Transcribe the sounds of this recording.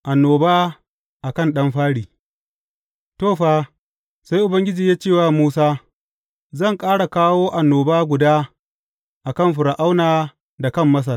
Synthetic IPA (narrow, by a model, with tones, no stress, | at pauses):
ʔa˨nːoː˨baː˦ | ʔa˨kɐ˦nɗɐ˦mɸaː˦ɽiː˨ | toː˦˨ɸaː˦ | sa˦jʔʊ˨bɐ˦ŋɡʲɪ˦d͡ʒiː˨jaː˦t͡ʃeː˦˨waː˦˨muː˦saː˦ | zɐ˦˨ŋkʼaː˦ɽa˨kaː˦woː˦ʔa˨nːoː˨baː˦ɡʷʊ˨daː˦ | ʔa˨kɐ˦˨mɸʊ˨ɽa˨ʔa˦wnaː˨ | da˨kɐ˦˨mːɐ˦s̬ɐ˨r